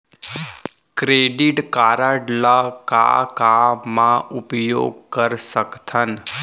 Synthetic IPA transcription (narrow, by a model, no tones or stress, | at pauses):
kɾeɖiʈkaɾaɖlaka̰kamãʊpjo̰ɡ̚kəɾsəkt̪ʰən